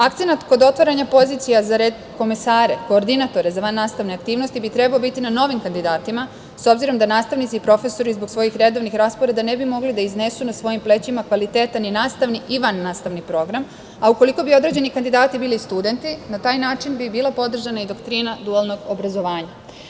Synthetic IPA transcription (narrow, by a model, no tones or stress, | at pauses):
akt̪se̞nat̪ko̞d̪o̞t̪ʋaɾaɲapo̞ziːt̪sijazaɾed̪ko̞mesaːɾe̞ko̞ːɾd̪inat̪o̞ɾe̞zaʋanːaːst̪aʋne̞akt̪iːʋno̞st̪ibit̪ɾe̞baobit̪inano̞ʋimkand̪id̪aːt̪ima | so̞bziɾo̞md̪anaːst̪aʋnit̪siipɾo̞fe̞so̞ɾizbo̞ɡsʋo̞jixɾe̞d̪o̞ʋnixɾaːspoɾe̞d̪ane̞bimo̞ɡlid̪aizne̞sunasʋo̞jimple̞t͡ɕimakʋalit̪e̞ːt̪aninaːst̪aʋniʔiʋanːaːst̪aʋnipɾo̞ɡɾam | auko̞liko̞bio̞d̪ɾe̞d͡ʑe̞nikand̪id̪aːt̪ibiːlist̪ud̪e̞nt̪inat̪aːjnaːt͡ʃinbibiːlˠapo̞d̪r̩ʒanaid̪o̞kt̪ɾiːnad̪ualˠno̞ɡo̞bɾazo̞ʋaːɲa